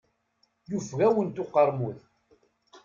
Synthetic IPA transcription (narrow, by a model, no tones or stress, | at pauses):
jufɣæwənt̪ʊqɑɾˤmuð